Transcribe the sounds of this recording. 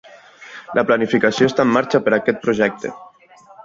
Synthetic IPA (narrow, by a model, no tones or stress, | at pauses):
lʔəplanifikasioest̪aemːaɾt͡ʃapəɾakɛt̪̚pɾuʒɛk̚t̪ḛ